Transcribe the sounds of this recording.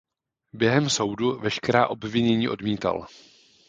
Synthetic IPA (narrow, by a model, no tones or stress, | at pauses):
bjɛɦɛmso̞wduvɛʃkɛɾaːʔo̞bvɪɲɛɲiːʔo̞dmiːt̪a̰l